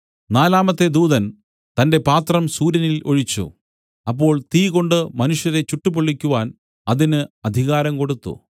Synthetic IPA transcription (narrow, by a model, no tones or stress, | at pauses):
naːlaːmɐt̪ːe̞d̪uːðɐn | t̪ɐnde̞paːt̪rɐmsuːɾɐnilo̞ɻit͡ɕːṵ | ɐpːo̞ːɭt̪iːko̞ɳɖɨmɐnuʂjɐðet͡ɕuʈːupoɭːikʲːuʋaːn | ɐðinɨɐd̪ʱiɣaːɾɐmko̞ɽut̪ːṵ